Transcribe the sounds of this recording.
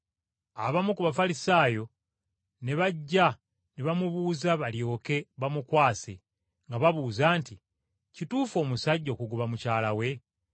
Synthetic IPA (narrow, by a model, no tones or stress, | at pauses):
aβamukuβafalisaːjo̞ | ne̞βaɟːa | neβamuβuːzaβaljo̞ːke̞βamukwaːse̞̰ | ŋɡaβaβuːzaːnti | cituːfo̞ːmusaɟːo̞ːkuɡuβamucaːlawe̞